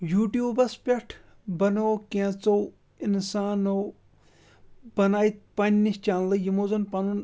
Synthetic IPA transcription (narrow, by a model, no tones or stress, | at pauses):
juːʈjuːbɐspʲɐʈʰ | bɐnoːkẽːt͡sow | insaːno | b̥ɐnaːjt̪̚pɐnʲnist͡ʃaːnlɨjimoːzɐnpɐnun